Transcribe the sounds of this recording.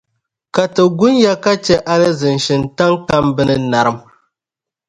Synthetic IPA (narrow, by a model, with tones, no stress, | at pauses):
ka˨tɨ˨ɡʊ˦nja˦ka˦t͡ʃɛ˦ʔa˦lɨ˦zɨ˨nʃɪ˨nta˦ŋka˦mbɨ˦nɨ˦na˨ɾɨ˦m